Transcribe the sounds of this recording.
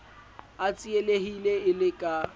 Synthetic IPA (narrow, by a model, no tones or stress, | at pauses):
at͡sʼieleɦileɪlɪkʼa